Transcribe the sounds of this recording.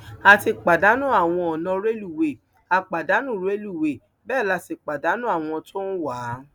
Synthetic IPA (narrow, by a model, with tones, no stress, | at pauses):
a˧ti˧k͡pa˨da˨˦nũ˦a˨w̃ɔ̃˧ɔ˨nã˧ɾe˦lu˦˨we˨ | a˧k͡pa˨da˨˦nũ˦˨ɾe˦lu˦˨we˨ | bɛː˦˨la˨˧ti˨k͡pa˨da˨˦nũ˦a˦˨w̃ɔ̃˧tʰo˦n̩˦wa˨˦